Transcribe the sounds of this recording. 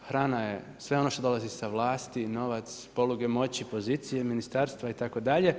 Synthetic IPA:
xɾaːnajje̞ | sʋe̞ono̞ʃt̪o̞d̪o̞lˠazisaʋlˠaːst̪ino̞ʋat̪spo̞luɡe̞mo̞t͡ɕipo̞ziːt̪sije̞minist̪aːɾst̪ʋait̪ako̞d̪aʎe̞

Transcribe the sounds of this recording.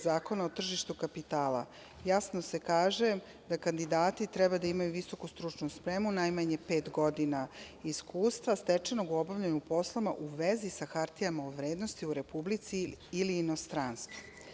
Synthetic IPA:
zaːko̞naot̪r̩ʒiʃt̪ukapit̪aːla̰ | jasnose̞kaːʒe | d̪akand̪id̪aːt̪it̪ɾɛbad̪aimajuʋiso̞kust̪ɾut͡ʃnuspɾemunajmaɲepeːt̪ɡo̞d̪inaiskuːst̪ʋast̪et͡ʃeno̞ɡuo̞baʋʎenupo̞slˠama̰ʔuʋezisaxaɾt̪ijamaoʋɾeːd̪no̞st̪iuɾe̞publit̪siːliːno̞st̪ɾanst̪u

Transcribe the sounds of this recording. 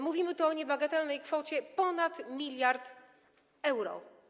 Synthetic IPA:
muvʲimɘt̪ɔɔɲɛbaɡat̪ɛlnɛjkfɔt͡ɕɛpɔnat̪mʲilʲjaɾt̪ | ɛwɾɔ̰

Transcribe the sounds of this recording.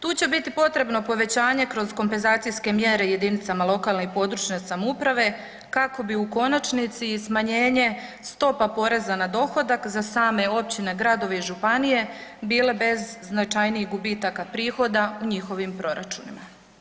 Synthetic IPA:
t̪uːt͡ɕe̞bit̪ipo̞t̪ɾe̞bno̞po̞ʋe̞t͡ɕaːɲe̞kɾo̞zko̞mpenzaːt̪sijske̞mjeɾe̞je̞d̪init̪samalˠo̞kaːlˠnepo̞d̪ɾut͡ʃɲesamupɾaʋe̞ | kako̞biuko̞nat͡ʃnit̪sismaɲe̞ːɲe̞st̪o̞papo̞ɾe̞zanad̪o̞xo̞d̪akzasaːme̞o̞p̚t͡ɕine̞ɡɾad̪o̞ʋeiʒupanije̞biːle̞be̞zːnat͡ʃajniiɣɡubiːt̪akapɾiːxo̞d̪auɲixo̞ʋimpɾo̞ɾa̰t͡ʃunima

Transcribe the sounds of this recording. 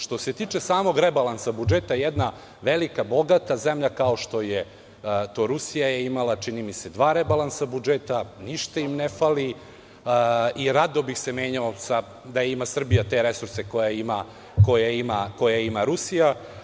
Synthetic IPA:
ʃt̪o̞se̞t̪iːt͡ʃesaːmo̞ɡɾebalansabud͡ʒeːt̪ajed̪na | ʋelikabo̞ɡat̪azemʎakao̞ʃt̪o̞je | t̪o̞ɾusijajeimalat͡ʂinimise̞d̪ʋaːɾebalˠansabud͡ʒeːt̪aniʃt̪aimnefali | iɾad̪obixsemeːɲaosa | d̪ajeimasr̩bijat̪e̞ɾe̞suɾse̞ko̞jaima | ko̞jaimako̞jaimaɾusija

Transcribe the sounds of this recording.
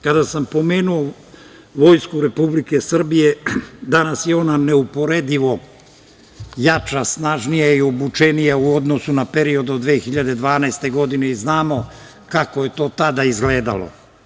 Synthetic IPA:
kad̪asampo̞me̞ːnuo | ʋo̞jskuɾe̞publike̞sr̩bije̞d̪anasjeo̞naneupo̞ɾed̪iʋo̞ | jat͡ʃasnaʒnijaio̞but͡ʃenijauo̞d̪no̞sunape̞ɾio̞d̪od̪ʋeːxiʎad̪e̞d̪ʋaːnaest̪e̞ɡo̞d̪ine̞iznaːmo̞ | kako̞je̞t̪o̞ːt̪ad̪aizɡleːd̪a̰lo̰

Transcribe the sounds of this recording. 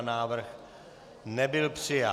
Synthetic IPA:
naːʋəɾk | nɛbɪlpsea

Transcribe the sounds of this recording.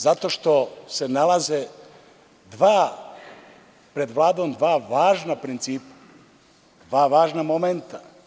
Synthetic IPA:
zat̪o̞ʃt̪o̞se̞nalˠaze | d̪ʋaː | pɾe̞d̪ʋlˠaːd̪o̞md̪ʋaːʋaːʒnapɾint̪siːpḁ | d̪ʋaːʋaːʒnamoment̪a

